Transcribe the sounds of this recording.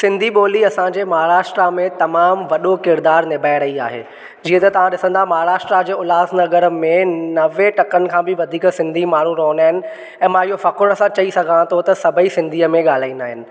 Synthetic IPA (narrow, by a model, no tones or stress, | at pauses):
sɪ̃nd̪ʱiɓoːliɐsãɲd͡ʑeːmɐɦaːɾaːʃʈɾamẽt̪ɐmaːmʋɐɗokɪɾd̪aːɾnɪbʱaːɪɾɐia̰ːɦḛː | d͡ʑiːə̃t̪ɐt̪ɐʋ̤ãɗɪsə̃nd̪aːɦmɐɦaːɾaːʃʈɾad͡ʑeːʊlaːznɐɡəɾmẽnɐʋeʈɐkənɪ̆kʰãːbɪʋɐd̪ʱiːksɪ̃nd̪ʱimaːɳ̤ũɾoɦə̃nd̪aːɦɪnɪ̆ | ɛ̃ːmãɪɦofɐkʊɽ̃əsãt͡ɕɐisɐɡʱãt̪ʰot̪ɐsɐbʱəisɪ̃nd̪ʱiːəmẽɠaːl̤aːĩnd̪aːɦɪnɪ̆